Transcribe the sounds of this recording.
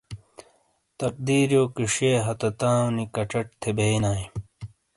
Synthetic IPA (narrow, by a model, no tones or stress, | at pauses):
t̪ɐq̚d̪iːɾjoːkiʂeːɦɐt̪ɐt̪ãːunikɐʈ͡ʂɐʈ̚t̪ʰebeːnaːĩ